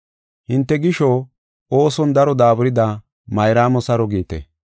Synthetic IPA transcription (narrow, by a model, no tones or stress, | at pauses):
hɪnt̪ːɛɡɪʃɔ | oːsɔnd̪ɐɾɔd̪aːbʊɾɪd̪a | mɐjɾaːmɔsɐɾɔɡiːt̪ɛ̰